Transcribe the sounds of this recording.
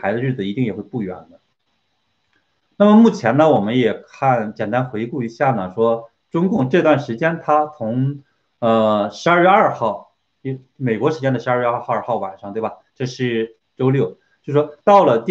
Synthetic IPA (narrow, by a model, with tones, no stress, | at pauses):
a˧˥ɪd̪ə˧ɻ̩˥˩d͡zɹ̩˩i˧˥i˥˩ŋjɛ˨˩xwe˥˧ɪpu˥˩ɥɛ̰˧˥nd̪ə˧ | na˥˩mə˩mu˥˩t͡ɕʰjɛ˧˥nə˧wɔ˨˩mə˦njɛ˨˩kʰa˥˩nt͡ɕjɛ˨˩nt̪a˥nxwe˧˥ɪku˥˩i˧˥ɕja˥˩nə˩ʂwɔ˥ | ʈ͡ʂʊ˥ŋkʊ˥˧ŋʈ͡ʂɤ˥˧t̪wa˥˩nʂɻ̩˧˥t͡ɕjɛ˥nt̪ʰa˥t͡sʰʊ˧˥ŋ | ə˧ʂɻ̩˧˥a˞˥˧ɻɥɛ˥˧a˥˧xɑ˥˩ʊ˧˩ | me˨˩ɪkwɔ˧˥ʂɻ̩˧˥t͡ɕjɛ˥nd̪ə˩ʂɻ̩˧˥˧ɻɑ˞˥˧˥xɑ˥˩ʊwa̰˨˩nʂɑ˥˧ŋt̪we˥˩ɪba˩ʈ͡ʂɤ˥˧ʂɻ̩˥˩ | ʈ͡ʂo˥ʊljo˥˩ʊ | t͡ɕjo˥˧˩ʂʂwɔ˥t̪ɑ˥˩ʊlə˩t̪